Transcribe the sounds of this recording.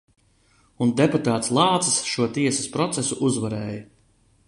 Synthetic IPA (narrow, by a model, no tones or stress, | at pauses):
und̪eput̪aːt̪slˠɑːt̪sɐsʃuɔt̪iɛsaspɾɔt̪sesuʔuzvaɾɛːja